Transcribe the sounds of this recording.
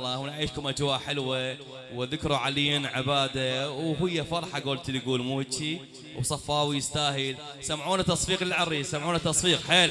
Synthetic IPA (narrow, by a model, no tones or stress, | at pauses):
lˤːɑhunʔaʕiːʃkʊmʔad͡ʒwaːʔħɪlwa | wðɪkɾuʕaliːinʕɪbaːd̪awɦɪjːafɑɾˤħɑɡoːlt̪lɡuːlmuːhɪd̪ʃi | wsˤɑfːɑːwijɪst̪aːɦɪl | samʕuːnat̪ːɑsˤfiːqlɪlʕɑɾːisamʕuːnat̪ːɑsˤfiːqħeːl